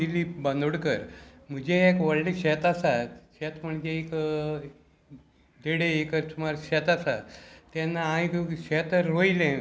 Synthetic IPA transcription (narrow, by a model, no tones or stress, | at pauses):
ilibənd̪oɽkəɾm̤əd͡ʑeekʋəɭliɕɛt̪asat̪ɕɛt̪m̤əɳd͡ʑeːk | d̪ʱeɽeekəɾt͡sʰumaɾɕɛt̪asat̪t̪ːanːaãikɕɛt̪əɾoilẽ